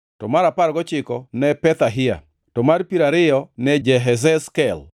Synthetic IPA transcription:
tɔmaɾapaɾɡɔt͡ʃɪkɔnɛpɛt̪aɦɪja̰ | tɔmaɾpiɾaɾɪjɔnɛd͡ʒɛɦɛz̬ɛskɛl

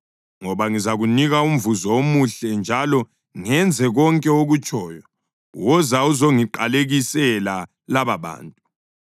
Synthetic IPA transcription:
ŋɔβaŋizaɣuniɣaum̩vuzɔomuɬɛnd͡ʒʱalɔ | ŋɛnd͡zʱɛɣɔŋkʼɛoɣut͡ʃʼɔːjɔ | wɔzauzoŋiǃaleɣisɛla | laβaβa̰ːntʼu

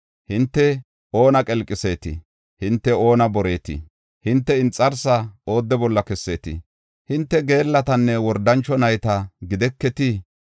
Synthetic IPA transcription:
hɪnt̪ːɛ | ʔo̞ːnɐkʼɛlkʼːɪse̞ːt̪ɪ̰ | hɪnt̪ːɛo̞ːnɐbɔɾeːt̪ɪ̰ | hɪnt̪ːɛɪnt͡sʼːɐɾsɐo̞ːd̪ːɛbɔlːɐkɛsːeːt̪ɪ̰ | hɪnt̪ːɛɡe̞ːlːɐt̪ɐnːɛwɔɾd̪ɐnt͡ʃːɔnɐjt̪ɐɡɪd̪ɛkːɛt̪i

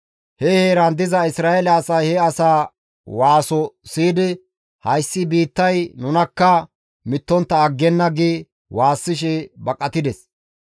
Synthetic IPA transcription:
hɛheːɾɐnd̪ɪzɐɪsɾaːɛlɛɐsɐjhɛɐsaː | waːsɔsiːd̪ɪ | hɐjsːɪbiːt̪ːɐjnʊnɐkːɐ | mɪt̪ːɔnt̪ːɐːɡːɛnːɐɡiː | waːsːɪʃ̬ɛbɐkʼɐt̪ɪd̪ɛs

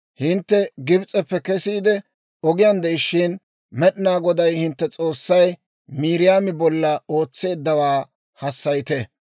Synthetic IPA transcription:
hɪnt̪ːɛɡɪbt͡sʼɛpːɛkɛsiːd̪ɛ | ɔɡɪjɐnd̪ɛjɪʃːɪn | mɛɗɪnaːɡɔd̪ɐjhɪnt̪ːɛt͡sʼo̞ːsːɐj | miːɾɪjaːmɪbɔlːɐo̞ːt͡sːe̞ːd̪ːɐwaː | hɐsːɐjt̪ɛ

